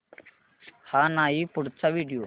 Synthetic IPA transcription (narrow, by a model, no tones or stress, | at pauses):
haːnaːiːpʊɽt͡sʰaʋiːɖijoː